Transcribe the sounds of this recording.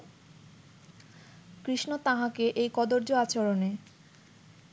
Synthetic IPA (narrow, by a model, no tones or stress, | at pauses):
kɾiʃnot̪aɦãkeʔejkɔd̪oɾd͡ʑoat͡ɕoɾone